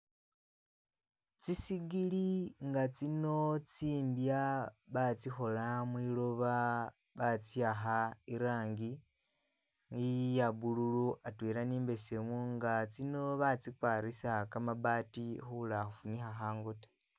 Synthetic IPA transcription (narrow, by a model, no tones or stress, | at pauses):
t͡sisiɡiliŋɡat͡sino̞t͡siːmbjaβat͡sixo̞lamwilo̞βa | βat͡siaxaiɾaːŋɡi | ŋijaβululuʔatwiɾaniːmbe̞semuŋɡat͡sino̞βat͡sikwaɾisakamaβatixulaxufunixaxaːŋɡote̥